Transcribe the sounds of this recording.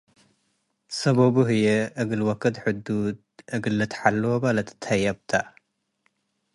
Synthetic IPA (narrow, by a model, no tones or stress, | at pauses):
sɐβɐbuɦɨjɛʔɨɡɨlwɐkʰːɐd̪ħɨd̪ud̪ʔɨɡɨlːɨt̪ħalːwobalɐt̪t̪ʰajɐbt̪ʰa